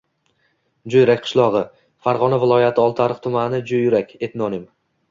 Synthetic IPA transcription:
d͡ʒojɾakʲqʰɨ̥ʃlˠɒʁɨ | faɾʁɒnavɪlˠɒjat̪ʰɪɒlˠt̪ʰaɾɨqt̪ʰʊmanɪd͡ʒojɾakʲe̞t̪nɒnɪm

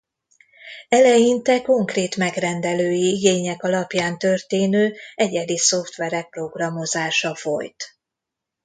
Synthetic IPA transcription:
ɛlɛjint̪ɛko̞ŋkreːt̪mɛɡrɛnd̪ɛløːjiiɡeːɲɛkɒlɒpjaːnt̪ø̞rt̪eːnøːɛɟɛd̪iso̞ft̪ʋɛɾɛk̚pro̞ɡrɒmo̞zaːʃɒfo̞̰jt̪

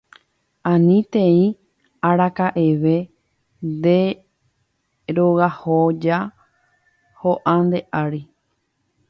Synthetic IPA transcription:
ãnĩt̪ẽĩ | aɾakaʔeʋe̞ | nd̪e̞ | ɾoɣahod͡ʒa | hoʔãnd̪e̞ʔaɾi

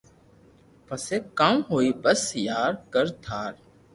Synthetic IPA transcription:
pəseːkaːmɦoːiːbəsjaːɾkəɾt̪ʰaːɾ

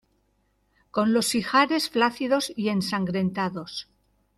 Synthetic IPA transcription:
ko̞nlo̞sixaɾe̞sflaθiðo̞sie̞nsaŋɡɾe̞nt̪aðo̞s

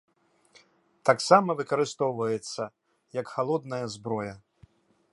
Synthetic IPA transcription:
t̪aksamɐvɨkɐɾɨst̪ɔwvɐjɛt̪sːɐ | jɐkxalˠɔd̪nɐjɐzbɾɔjɐ

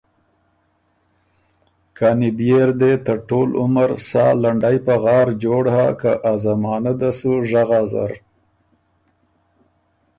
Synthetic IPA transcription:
kanibjeɾd̪et̪əʈolʔʊ̰məɾsɑ̰ːlaɳɖajpaɣɑːɾd͡ʒoɽhakaʔazamɑːnad̪asuʒaɣaza̰ɾ

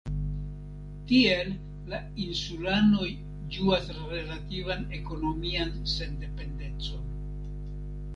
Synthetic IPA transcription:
tie̞lː | a | insulano̞j | d͡ʒuas | ɾe̞lativane̞ko̞no̞mianse̞nde̞pe̞nde̞nt͡so̞n

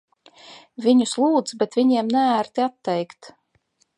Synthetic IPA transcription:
vʲiɲuslˠuːd̪zbɛt̪vʲiɲiɛmnææɾt̪iat̪ːɛjkt̪

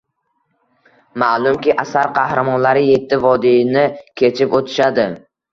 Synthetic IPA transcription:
malˠʊmkʲɪʔasaɾqʰɑhɾamɒnlaɾɪje̞t̪ʰːɪvɒd̪inɪkʲʰe̞t͡ʃʰɪpot̪ʰɪ̥ʃad̪ɪ

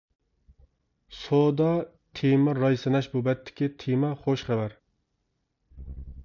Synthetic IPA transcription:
sod̪ɑ | t̪ʰemɛɾɑjsɨnɛʃbubɛt̪ʰːɪ̥kʲit̪ʰemɛχoʃχævæɾ

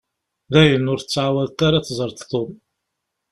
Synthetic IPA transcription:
ðæjənːʊɾθət͡sːʕawæðt̪ːaɾaθzˤəɾˤt̪θom

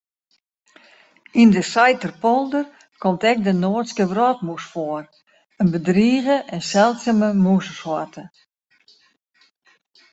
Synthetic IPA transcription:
indəsajtərpɔlˠdər | kʰɔmtɛk̚dənoətskəʋrɔt̚musfoər | ənbədriːɣəʔɛnsɛlˠtsəməmusəsɔtə

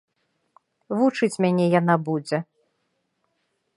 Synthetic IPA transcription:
vut͡ʂɨt͡sʲmʲanʲɛjan̪abud͡zʲɛ

